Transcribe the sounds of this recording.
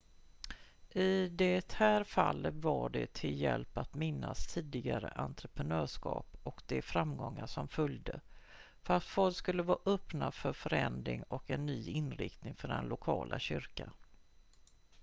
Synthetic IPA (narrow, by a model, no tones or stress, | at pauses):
ʔɪd̪ɛt̪hæːɾfalːət̪vaɖɛt̪ʰɪljɛlpat̪mɪnːast̪ʰiːd̪ɪɡaɾə̰ʔant̪ɾəpɾənœːʂkɑ̰ːpɔkd̪ɛfɾamɡɔŋːaʂɔmfœljd̪ə | fœɾast̪fɔlkskɵlːəvɑːʔœpnafœɾfœɾɛnd̪ɾɪŋɔkɛnːyːɪnːɾɪ̰kt̪nɪŋfœɖɛ̰nlʊkʰɑːlʔaɕʏɾka